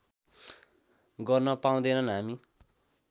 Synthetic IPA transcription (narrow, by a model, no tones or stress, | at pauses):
ɡʌrnʌpaũd̪enʌnɦami